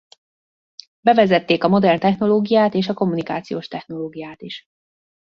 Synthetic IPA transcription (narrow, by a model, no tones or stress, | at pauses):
bɛvɛzɛt̪ːeːkɒmo̞d̪ɛrnt̪ɛxno̞loːɡijaːt̪eːʃɒko̞mːunikaːt̪sijoːʃt̪ɛxno̞loːɡijaːt̪iʃ